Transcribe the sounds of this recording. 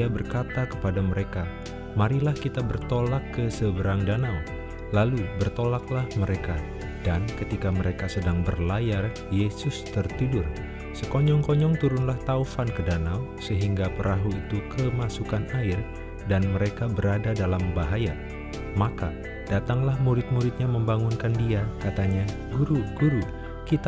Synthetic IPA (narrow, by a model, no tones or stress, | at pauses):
abərkat̪akəpadaməɾeka | maɾilahkit̪abərt̪olakːəsəbəɾaŋdanaw | lalubərt̪olaklahməɾeka | dankət̪ikaməɾekasədaŋbərlajar | jesʊst̪ərt̪idʊr | səkɔɲɔŋkɔɲɔŋt̪uɾunlaht̪aufankədanaw | səɦiŋɡapəɾʔaɦuit̪ukəmasukanaɪr | danməɾekabəɾadadalambaɦaja | maka | d̥at̪aŋlahmuɾɪt̪̚muɾɪt̪̚ɲaməmbaŋunkandiakat̪aɲa | ɡuɾuɡuɾu | kit̪